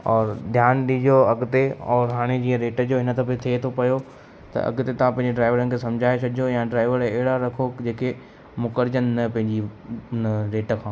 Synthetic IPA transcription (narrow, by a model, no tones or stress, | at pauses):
ɔːɾd̪ʱjaːnɗĩd͡ʑoɐɡt̪eɔːɾɦaːɽ̃ed͡ʑiːə̃ɾeːʈəd͡ʑoɦɪnət̪ʰɐpet̪ʰiet̪ʰopɐjo | t̪ɐ̰ʔɐ̰ɡt̪et̪ɐʋ̤ãpɐ̃ɦɪ̃ɲd͡ʑeɖɾaːɪʋəɾənɪ̆kʰesɐ̃md͡ʑʱaːet͡ɕʰɐɗɪojãːɖɾaːɪʋəɾeɦɪɽaɾɐkʰod͡ʑeːke | mʊkəɾd͡ʑənnɐpɐ̃ɦɪ̃ɲd͡ʑiʊnəɾeːʈəkʰãː